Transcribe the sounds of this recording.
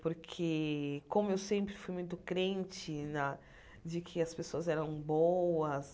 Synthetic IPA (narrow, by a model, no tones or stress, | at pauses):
poɾkʰekõmʊewsẽmpɾɪfujmũj̃t̪ʊkɾẽnt͡ʃɪnɐ | d͡ʒɪkʰɪɐspesoɐzɛɾɐ̃w̃bowɐs